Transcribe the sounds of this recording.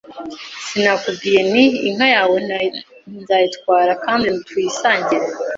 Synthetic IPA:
sinakub̚ɡiːje̞niːŋ̥hajaːwe̞ | nzajitkwaːɾakaːndintuisaːɲɟiɾe

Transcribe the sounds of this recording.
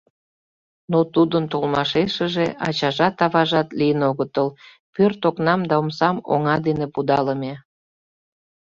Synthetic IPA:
not̪ud̪ənt̪olmɑʃeʃəʒeʔɑt͡ɕɑʒɑt̪ɑβɑʒɑt̪lijənoɣət̪əl | pørt̪oknɑmd̪ɑomsɑmo̰ŋɑd̪enepud̪ɑləme

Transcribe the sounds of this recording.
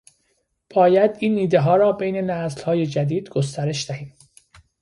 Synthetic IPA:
b̥ɒːjæd̪iːnːiːd̪eɦɒːɾɒːbejne̞næzlhɒːje̞d͡ʒæd̪iːd̪ɡost̪æɾe̞ʃd̪æhiːm

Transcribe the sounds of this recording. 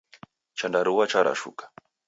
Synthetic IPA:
t͡ʃandaɾuwat͡ʃaɾa̰ʃṵkḁ

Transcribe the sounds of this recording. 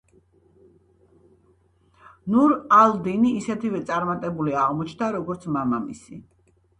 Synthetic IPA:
nuɾald̪iniːsɛt̪ʰivɛt̪sʼaɾmat̪ʼɛbuliaʁmɔt͡ʃʰnd̪aɾɔɡɔɾt̪sʰmamamḭsḭ

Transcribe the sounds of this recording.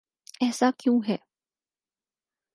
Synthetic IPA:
ɛːsakjũːɦɛː

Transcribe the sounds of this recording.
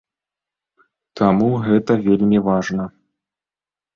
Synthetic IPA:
t̪ʰamuɣɛt̪ɐvʲelʲmʲivaʐnɐ

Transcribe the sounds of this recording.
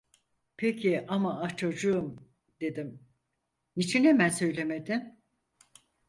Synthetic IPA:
pʰecʰiʔamaat͡ʃʰad͡ʒɯɯm | d̪̥e̞d̪im | nit͡ʃʰine̞mænsø̞jlʲe̞me̞d̪im

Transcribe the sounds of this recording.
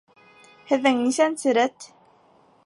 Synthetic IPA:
hæðæŋniʃænt͡siɾæt̪ː

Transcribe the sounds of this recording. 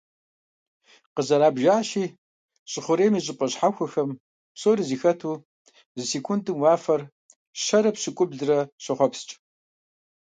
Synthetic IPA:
qəzɐɾaːbʒaːʃiː | ɕʼɪχʷʊɾeːmiːɕʼɪpʼɐɕħaxʷʊxɐm | psoːɾiziːxɐtʰuː | zɨseːkʷʰundʼɨmwɑːfɐr | ɕɐɾɐpɕɪkʷʼʊbɮɨrɐɕɪχʷɔpst͡ʃʼ

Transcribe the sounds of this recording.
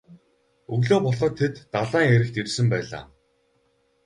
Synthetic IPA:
ɵɣɮoːpɔɮχə̆t̪ʰːet̪ːaɮaːŋeɾɘ̆kt̪irsɘ̆mpæːɮa̰ː

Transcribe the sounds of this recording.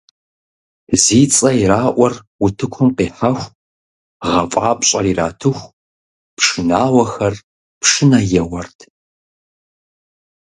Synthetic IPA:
ziːt͡sʼɐiraːʔʷɔrwʊtʰɨkʷʰɔmqeːħaxʷ | ʁɐfʼaːpʼɕʼɐriːra̰ːtʰɨxʷ | pʂɨnaːwɐxɐr | pʂɨnɐjɛwɐrtʰ

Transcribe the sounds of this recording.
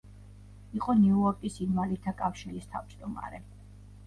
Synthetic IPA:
iqʼɔniuɔɾkʼisinmalit̪ʰakʼafʃiɾist̪ʰa̰vd͡ʒd̪ɔma̰ɾɛ

